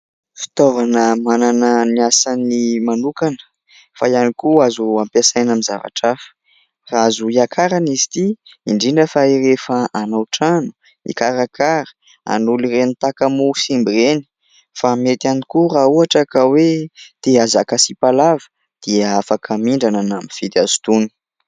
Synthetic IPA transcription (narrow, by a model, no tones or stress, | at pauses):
fi̥t̪ovanəmananəniasanimanukanə̥ | fajanikuazuampjasajnamiza̰va̰ʈ͡ʂafə̥ | raazuiakʰaɾanizi̥t̪iiɳɖ͡ʐiɳɖ͡ʐəfairefaanawʈ͡ʂanu̥ | nḭkaɾakʰaɾə̥ | a̰nulirenit̪akamusimbireni̥ | famet̪anikurauɦaʈ͡ʂakawed̪̥eazakasipalavə̥ | d̪̥iəafakʰəmiɳɖ͡ʐananamifit̪azu̥t̪uni̥